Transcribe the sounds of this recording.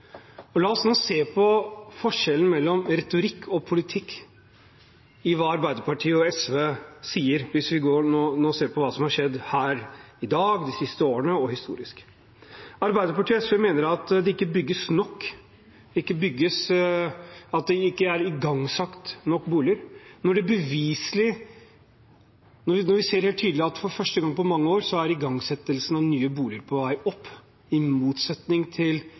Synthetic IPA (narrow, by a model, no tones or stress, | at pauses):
ɔlɑːɔsnoːseːpʰɔfɔʂɛlən̩mɛlːɔmɾɛt̪ʊɾɪkʰːɔpʰʊlɪt̪ʰɪkː | ɪʋɑːɑɾbæɪd̪əɾpɑʈʰiːɔɛsʋeːsiːəɾʋɪsʋɪɡoːɾɳoːnoːseːpʰɔʋɑːsɔmhɑʂɛd̪ːhæːɾɪd̪ɑːɡd̪ɪsɪst̪əoːənəɔhɪst̪ṵːɾɪsk | ɑɾbæɪd̪əɾpɑʈiːɛsʋemeːnəɾɑt̪d̪ɛɪkːəbʏɡːəsnɔkː | d̪ɛɪkːəbʏɡːəs | ɑt̪̚d̪ɛɪkːəæɾɪɡɑŋːsɑkt̪nɔkːbuːlɪəɾnɔɖɛbəʋiːsəlɪ | nɔnɔɾʋɪseːɾheːlt̪ʰːyːd̪lɪɑt̪fɔɾfœʂʈəɡɑŋːpʰɔmɑŋːəoːɾsɔæɾɪɡɑŋsɛt̪ːəlsənɑnyːəbuːlɪəɾpʰɔʋæɪɔpː | ɪmuːt̪sɛt̪nɪŋt̪ʰɪl